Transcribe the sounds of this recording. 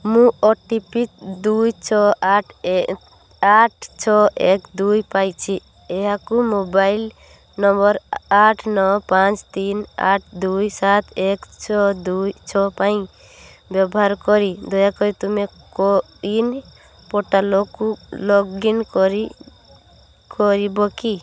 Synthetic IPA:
mũʔɔʈipid̪ujt͡ʃʰɔaʈʰ | aʈ̚t͡ʃʰɔɛkd̪ujpajt͡ʃʰi | ɛjakumobajl | nɔmbɔɾaʈʰnɔpãt͡ʃt̪ina̰ʈ̚ʰd̪ujsat̪ekt͡ʃʰɔd̪ujt͡ʃʰɔpaj̃ | bɔbɔɦaɾkɔɾid̪ɔjakɔɾit̪umɛkɔ | in | pɔʈalɔkulɔɡinkɔɾi | kʰɔɾibɔki

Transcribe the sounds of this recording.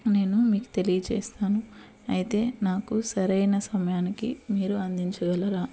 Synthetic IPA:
ne̞ːnumiːku̥t̪e̞lijɐt͡ʃḛːst̪aːnu | ɐjit̪e̞ːnaːkusɐɾɐjnɐsɐmɐjaːnikḭmiːɾuɐnd̪iɲt͡ʃɐɡɐlɐɾaː

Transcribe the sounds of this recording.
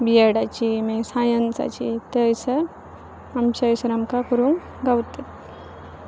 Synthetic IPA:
bijəɽat͡ɕimesãjənt͡sa̰t͡ɕit̪əjsə | amt͡ɕəjsəɾamkakəɾuːŋ | ɡawt̪et̪̚

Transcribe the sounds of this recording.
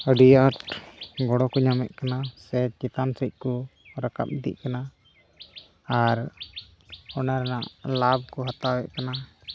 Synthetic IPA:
əɖijaʈɡɔɽɔkɔɲamɛʔ̚kanasɛt͡ʃɛt̪ansəc̚ˀkɔɾaka̰p̚d̪ḭʔkana | aɾ | ɔnaɾɛna̰ʔlab̚kɔɦat̪awɛʔ̚kana

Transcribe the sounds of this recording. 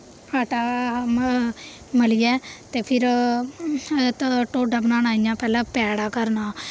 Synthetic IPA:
haːʈaː | məlijɛːt̪eːpʰɪɾ | t̪ʈoːɖəbənãːnaːijãːpɛːlãːpɛːɽaːkəɾnaː

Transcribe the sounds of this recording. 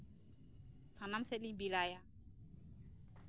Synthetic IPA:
sanamsɛt̪̚libilaja

